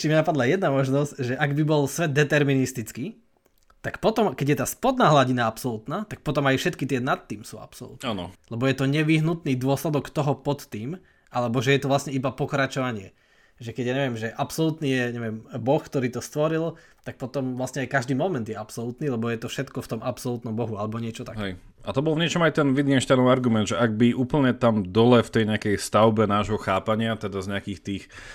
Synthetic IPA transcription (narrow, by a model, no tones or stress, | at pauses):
t͡ʃiminapad̪lajɛd̪namɔʒnɔscʒɛʔaɡbibɔlsʋɛd̪̚d̪ːɛt̪ɛɾminist̪it͡ski | t̪akpɔt̪ɔmkɛɟjɛt̪aːspɔd̪naːɦlaɟinaapsɔlut̪naːt̪ak̚pɔt̪ɔmajfʃɛt̪kit̪ɪɛnat̪ːiːmsṵa̰psɔ̰lṵt̪nanɔ̰lɛbɔjɛt̪ɔɲɛʋiɦnut̪niːd̪ʊɔslɛd̪ɔkt̪ɔɦɔpɔt̪ːiːm | ʔalɛbɔʒɛjɛt̪ɔʋlasɲɛibapɔkɾat͡ʃɔʋaɲɪɛ | ʒɛkɛɟjaɲɛʋɪɛmʒɛʔapsɔlut̪niːjɛɲɛʋɛmbɔxkt̪ɔɾiːt̪ɔst̪ʋɔɾil | t̪ak̚pɔt̪ɔmʋlasɲɛajkaʒd̪iːmɔmɛnd̪jɛapsɔlut̪niːlɛbɔjɛt̪ɔfʃɛt̪kɔft̪ɔmapsɔlut̪nɔmbɔɦualɛbɔɲɪɛt͡ʃɔt̪akɦɛj | at̪ɔbɔlvɲɪɛt͡ʃɔmajt̪ɛnʋid̪ɡɛnʃt̪anɔaɾɡumɛnd̪ʒɛʔaɡ̚biuːpl̩ɲɛt̪amd̪ɔlɛft̪ɛjɲɛakɛjst̪aʊbɛnaːʒɦɔxaːpaɲɪat̪ɛd̪azɲɛakiːxt̪iːx